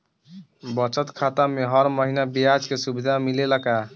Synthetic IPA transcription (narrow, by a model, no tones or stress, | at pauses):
bət͡ʃət̪kʰat̪ameɦʌɾməɦinabijad͡ʒkesubid̪ʱamileləka